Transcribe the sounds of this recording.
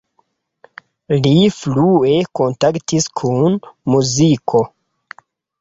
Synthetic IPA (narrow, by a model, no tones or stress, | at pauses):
liflue̞ko̞ntaktiskʰunmuzikʰo̞